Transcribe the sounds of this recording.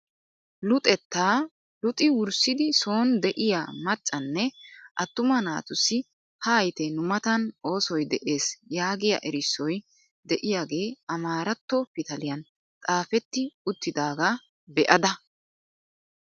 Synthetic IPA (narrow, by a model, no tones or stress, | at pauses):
lʊt̪ʼɛt̪ːaː | lʊt̪ʼɪwʊɾsɪd̪ɪso̞ːnd̪ɛʔɪjamɐt͡ʃʼːɐnːɛʔɐt̪ːʊmɐna̰ːt̪ʊsːɪ | hɐːjt̪ɛnʊmɐt̪ɐno̞ːsɔjd̪ɛʔe̞ːsjaːɡɪjɐ̰ʔɛɾɪsːɔj | d̪ɛʔɪjaːɡe̞ːɐmaːɾɐt̪ːɔfɪt̪ɐlɪjɐn | t̪ʼaːfɛt̪ːɪʊt̪ːɪd̪aːɡa | bɛʔɐd̪ɐ